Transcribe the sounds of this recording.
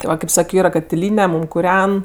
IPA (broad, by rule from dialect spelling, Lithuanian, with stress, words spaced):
tʲɪ ˈʋɐ kʲeːp ˈsɑːkʲoː ˈiːrɐ kɐtʲɪˈlʲiːnʲɛ ˈmuːm kʊˈrʲɛn